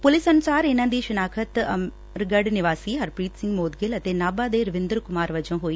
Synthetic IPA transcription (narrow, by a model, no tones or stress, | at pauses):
pʊlɪsənʊsaːɾɪnãːd̪iːʃʊnaːkʰət̪ | ɾɡəɖnɪʋaːsiːɦəɾpɾiːt̪sɪ̃ŋɡmoːd̪ɡɪlət̪eːnaːbaːd̪eːɾəʋɪ̃nd̪əɾkʊmaːɾʋəd͡ʒõːɦoːiː